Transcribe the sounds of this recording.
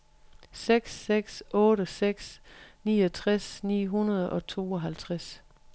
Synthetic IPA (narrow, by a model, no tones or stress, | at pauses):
seɡ̥seɡ̥sʔɔ̽ːɾəseɡ̥snḭːɒt͡sʰʁasnḭːɦunɐð̞ˠʔɒ̽t͡sʰo̝ːɒɦælt͡sʰʁas